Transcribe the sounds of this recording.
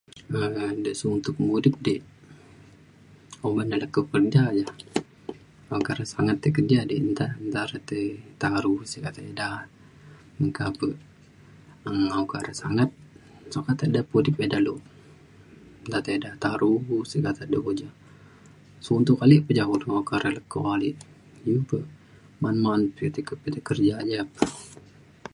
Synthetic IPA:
ədəsuunt̪ʊkmudɪp̚diʔ | omanalakːəkərd͡ʒad͡ʒa | akaɾasaŋat̪ːəkərd͡ʒadiənt̪ant̪aɾat̪ət̪aɾusikat̪ada | əŋkapə | əŋaukaɾasa̰ŋat̪̚ | sokat̪ədapudipedaloʔ | nt̪at̪edat̪aɾusikat̪adəod͡ʒa | sount̪ukaliʔpəd͡ʒakuduakaɾələkːo̰aliʔ | jupəʔ | manmanput̪əkəpət̪akərd͡ʒad͡ʒapə

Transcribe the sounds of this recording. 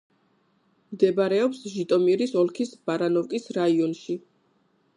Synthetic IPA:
md̪ɛbaɾɛɔpsʒit̪ʼɔmiɾisɔlˠkʰisbaɾanɔvkʼisɾaiɔnʃi

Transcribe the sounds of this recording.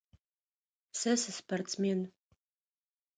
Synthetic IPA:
sɐsɨspʰart͡sʰmen

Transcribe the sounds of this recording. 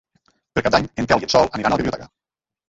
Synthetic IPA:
peɾkad̪̚aɲeŋk̪ɛlˠjiəsɔlˠəniɾanalˠβiβliut̪ɛ̰kə

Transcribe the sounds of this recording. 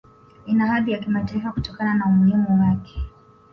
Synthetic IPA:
inahaðijakimataifakutɔkananaumuhimuwakʰɛ̥

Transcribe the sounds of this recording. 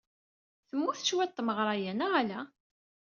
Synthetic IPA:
θəmːuθə̥t͡ʃwæt̪ˤːməʁɾˤɑjænæʁælæ

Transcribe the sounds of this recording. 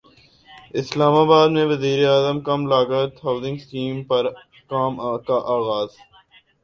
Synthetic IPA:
ɪslaːmaːbaːd̪mẽʋɐziːɾeaːzəmkɐmlaːɡat̪ɦaːʊzɪ̃ŋɡsʈiːmpɐɾ | kaːmkaʔaːɣaːz̥

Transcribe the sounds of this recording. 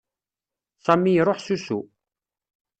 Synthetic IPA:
sæmijɾˤoħsusṵ

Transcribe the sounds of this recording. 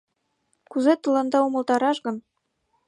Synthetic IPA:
kuzet̪ɤ̆lˠɤ̆nd̪ɑumɤ̆lˠt̪ɑɾɑʃɡɤ̆n

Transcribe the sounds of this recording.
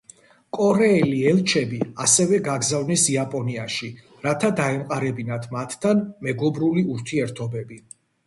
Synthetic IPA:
kʼɔɾɛːliɛlˠt͡ʃʰɛbia̰sɛvɛɡaɡzavnisiapʼɔniaʃi | ɾat̪ʰad̪aɛmqʼaɾɛbinat̪ʰmat̪ʰːanmɛɡɔbɾuliuɾt̪ʰiɛɾt̪ʰɔbɛbi

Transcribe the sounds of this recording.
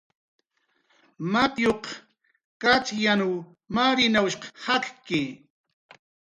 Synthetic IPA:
map̪joq | kat͡ʃjanuw | maɾɪnawʃqhakkɪ

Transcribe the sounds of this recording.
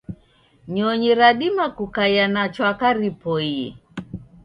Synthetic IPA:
ɲɔɲiɾaɗimakukajanat͡ʃwakaɾipɔiɛ̰

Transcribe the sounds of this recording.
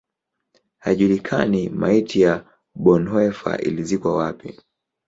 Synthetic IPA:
haʄulikʰa̰nimaitʰija | ɓɔnwɛfa̰ʔḭlizikwawapḭ

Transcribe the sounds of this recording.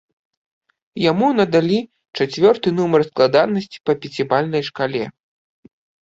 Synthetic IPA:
jamunɐd̪alʲi | t͡ʂat͡sʲvʲɔrt̪ɨnumɐrsklˠad̪anːɐsʲt͡sʲi̥pɐpʲɛt͡sʲibalʲnɐjʂkalʲɛ

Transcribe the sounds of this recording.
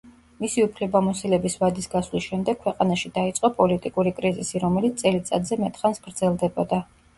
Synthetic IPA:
misiupʰlɛbamɔsilɛbisvad̪isɡaswlisʃɛmd̪ɛkʰwɛqʼanaʃid̪ait̪sʼqʼɔpʼɔlit̪ʼikʼuɾikʼɾizisiɾɔmɛlit̪t̪ʼɛlit̪sʼa̰d̪zɛmɛt̪ʼχansɡ̥ɾd̪z̥ɛlˠd̪ɛbɔd̪a

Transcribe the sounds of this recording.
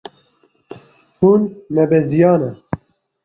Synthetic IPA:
hunmɛbɛzijɑːnɛ

